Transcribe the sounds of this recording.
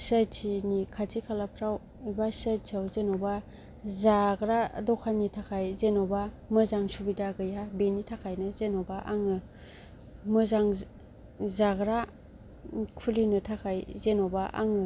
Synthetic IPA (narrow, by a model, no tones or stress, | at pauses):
sajttʰinikʰatʰikʰalakʰɾaw | ibasəjtsʰawzenoba | zaɡɾadɔkʰanitʰakʰajzenɔba | mɯzaŋsubidaɡɯjabenitʰakʰajnɯzenobaʔa̰ŋɯ | mɯzaŋ | zaɡɾa | kʰulinɯtʰakʰajzenɔbaʔa̰ŋɯ